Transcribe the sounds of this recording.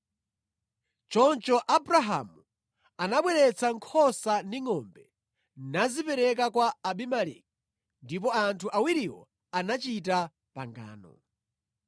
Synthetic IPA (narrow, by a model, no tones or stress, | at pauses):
t͡ʃɔnt͡ʃɔʔabɾaɦa̰mu | anaɓwɛɾɛt͡sʰaŋkʰɔsandiŋɔmbɛ | nazipɛɾɛkakwaːɓimalḭk̚ | ndip̬ɔantʰuʔawiɾiwɔ̰ | anat͡ʃita | pa̰ŋɡa̰ːnɔ̰